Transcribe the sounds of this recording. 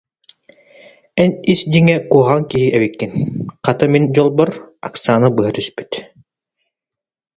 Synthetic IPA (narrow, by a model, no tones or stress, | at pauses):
ɛnisd̪iŋɛkuɔʁaŋkiɦiʔɛβikːinqat̪ɯmind͡ʑɔlˠbɔɾa̰kt̪sɨanɯbɯɦat̪yspy̥t̪